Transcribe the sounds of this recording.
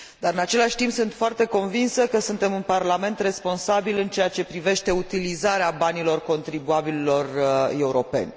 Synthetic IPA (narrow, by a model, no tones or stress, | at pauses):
d̪aɾɨnat͡ʃe̞laʃʲt̪impsɨnt̪foart̪e̞ko̞nvinsəkəsunt̪e̞mɨnparlame̞nt̪re̞spo̞nsabilɨnt͡ʃe̞jat͡ʃe̞pɾive̞ʃt̪e̞ut̪ilizaɾeabanilo̞rko̞nt̪ɾibuabililo̞re̞uɾo̞pe̞̰nʲ